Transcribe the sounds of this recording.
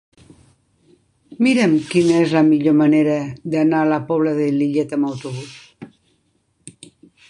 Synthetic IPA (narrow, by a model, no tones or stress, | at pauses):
miɾəmkinəezləmiʎoməneɾəd̪analəpɔβ̞ləðeliʎet̪əməwt̪uβ̞us